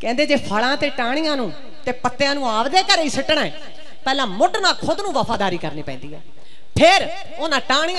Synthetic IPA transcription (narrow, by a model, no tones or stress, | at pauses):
kɛ̃ːnd̪eːd͡ʒeːpʰaɭãːt̪eːʈaːɽ̃ɪijãːnũː | t̪eːpət̪ːejãːnũːaːbd̪eːkəɾːiːsəʈɳaːɛː | pɛːlãːmʊɖnãːkʰʊd̪nũːʋəpʰaːd̪aːɾiːkəɾniːpɛ̰̃ːnd̪iːɦɛ̰ː | pʰɪɾ | oːnãːʈaːɽ̃ɪjã